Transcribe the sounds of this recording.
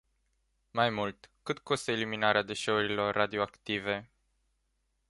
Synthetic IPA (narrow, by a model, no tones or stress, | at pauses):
majmult̪kɨt̪ko̞st̪əeliminaɾead̪e̞ʃe̞uɾilo̞rːad̪io̞akt̪ive̞